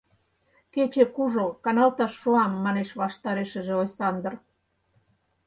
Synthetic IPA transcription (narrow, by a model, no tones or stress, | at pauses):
ket͡ɕekuʒokɑnɑlt̪ɑʃːoɑmːɑneʃβɑʃt̪ɑɾeʃə̆ʒĕojsɑnd̪ə̆r